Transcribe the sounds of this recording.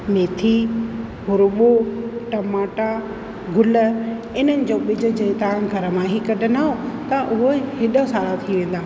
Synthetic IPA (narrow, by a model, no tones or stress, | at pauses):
meːt̪ʰi | ɦʊɾʊɓoʈɐmaːʈa | ɡʱʊlə | ɪnənɪ̆d͡ʑoːɓɪd͡ʑʱʊ̆d͡ʑeːt̪ɐʋ̤ãɡʱɐɾəmãɦikɐɗʱənaːɦot̪ɐʔʊɦohɪɗəsaːɾat̪ʰiʋẽːn̆d̪aːɦ